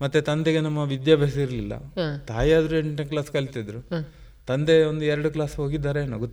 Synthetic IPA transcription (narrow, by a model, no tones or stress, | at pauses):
mɐt̪ːet̪ɐnd̪eɡenɐmːɐʋid̪jaːbʱɐs̬ɐiɾɐlilːɐ̰t̪aːjaːd̪ɾueɳneklaːskɐɭit̪id̪ɾu | t̪ɐnd̪e̞ond̪uɛɾɐɽuklaːsɦoːɡid̪ːaːɾeːnːɐɡot̪ː